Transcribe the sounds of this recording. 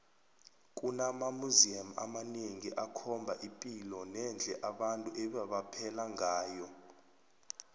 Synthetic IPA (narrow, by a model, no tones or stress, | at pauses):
k̬ʼunamamuziama̰maneŋiʔakʰɔmbʱaʔipʼilɔnɛnd͡ɮʱɛʔaɓantʼuʔɛɓaɓapʰɛlaŋaːjɔ